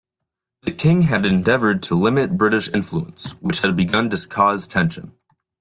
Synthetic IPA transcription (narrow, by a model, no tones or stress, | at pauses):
ðɨkʰɪ̃ŋɨɾɨ̃ndɛvə˞d̚tʰəlɪ̃mɨt̚b̥ɹɪɾɨʃɪ̃ɱfluə̰̃nswɨt͡ʃhɨd̚bɨɡʌ̃ndɨskʰɔztʰɛ̃nʃɨ̰̃n